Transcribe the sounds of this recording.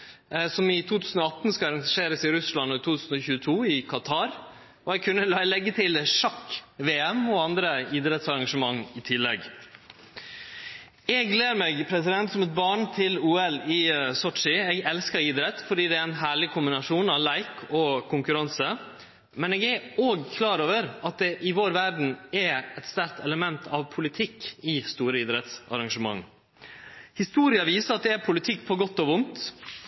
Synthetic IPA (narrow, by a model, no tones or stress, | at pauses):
sɔmɪt̪ʰuːt̪ʰʉːsn̩ɔɑt̪n̩skɑɑɾɑŋʂeːɾəsɪɾʉslɑnːɔɪt̪ʰuːt̪ʰʉːsn̩ɔçʉːət̪ʰuːɪkʰɑt̪ʰɑːɾ | ɔɛɡ̚kʰʉnːəlɑlɛɡːət̪ʰɪlʂɑkːʋeːɛmɔɑnd̪ɾəiːd̪ɾɛt̪sɑɾɑŋʂəmɑŋːɪt̪ʰɪlːɛ̰ɡ | ɛɡleːɾmɛɡpʰɾɛsɪd̪ɛnt̪sɔmɛt̪̚bɑːɳt̪ʰɪluːɛlɪsɔʈ̪ʂɪɛːɡɛlskəɾiːd̪ɾɛt̪fɔɖiːd̪ɛæɛɪnɦæːɭɪkʰʊmbɪnɑʂuːnɑʋlæɪkʰɔkʰʊŋkʉɾɑnsə | mɛneːɡæoːɡkʰlɑːɾoːʋəɾɑt̪̚d̪ɛʔɪʋoːɾʋæɾɖɳ̩ɛɛt̪st̪æɾk̚t̪ʰɛləmɛnt̪ʰɑʋpʰʊlɪt̪ʰɪkːɪst̪uːɾəiːd̪ɾɛt̪sɑ̰ɾɑŋʂəmɑ̰ŋ | hɪst̪uːɾɪɑʋiːsəɾɑt̪̚d̪ɛæɾpʰʊlɪt̪ʰɪkːpʰɔːɡɔt̪ːoːʋʊnt̪